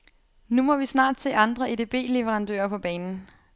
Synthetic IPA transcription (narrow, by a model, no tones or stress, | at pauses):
numɒ̽ʋisnɑ̰̈ːd̥se̝̰ːɑ̈nd̥ʁɐed̥e̝b̥e̝̰ːle̝ʋeʁɑ̈nd̥ø̰ːɐpʰɒ̽b̥ɛːnn̩